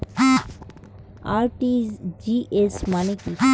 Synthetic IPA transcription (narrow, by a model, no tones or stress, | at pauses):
aɾʈid͡ʒiʔesmaneki